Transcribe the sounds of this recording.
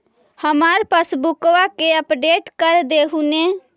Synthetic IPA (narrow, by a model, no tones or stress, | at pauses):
həmaːɾpəsbʊkʋakeəpɖeːʈkəɾd̪eːɦunẽː